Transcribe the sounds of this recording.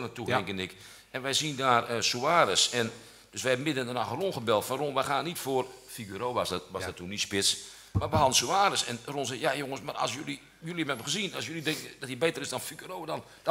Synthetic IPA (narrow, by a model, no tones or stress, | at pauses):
nətuɛŋkənɪk | ɛnʋɛjsindaːrəsuaːɾəsɛn | d̥øsʋɛhɛbəmɪdəndənaxronχəbɛlˠtfaronʋɛxaːnːitfoərfiɡyɾoːʋasʋɔdɔtʰːunitspɪt͡s | marʋəɦɑdən̩suaːɾəsɛnronsɛjajoŋəsmarɔ̰sjølˠi | jølˠiɛmɛbəxəzinɔs̬jølˠidɛŋkədɔthibetərɪsdɔnfiɡyɾoːədɔn | d̥